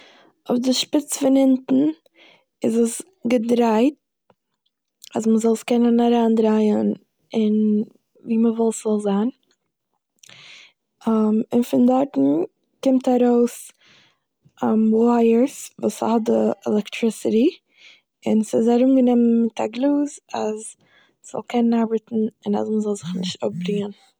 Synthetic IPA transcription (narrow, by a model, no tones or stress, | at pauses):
ʊfdɪʃpɪt͡sfɪnɪntn̩ | ɪzəs | ɡədɾaɪt̚ | as̬məzɔlˠskɛnənaɾaːndɾaɪən | ɪn | viːməvɔlˠsɔlˠzaːn | amɪnfɪndaɾtn̩ | kɪmtaɾoʊs | amwaɪəɾsvṵːshɔt̚dəɛ̰lˠɛktɾɪsɪɾi | ɪnsɪzaɾumɡənɛmənmɪtʰaɡlˠuːzaz | sz̥ɔ̰lˠkʰɛnənaɾbəɾtn̩ɪna̰sməzɔlˠzɪχnɪʃtʊp̚bɾiŋən